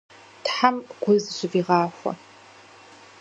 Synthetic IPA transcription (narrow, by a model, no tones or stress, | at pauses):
tħamɡʷʊzɨɕʷʼɪviːʁɑːxʷɐ̰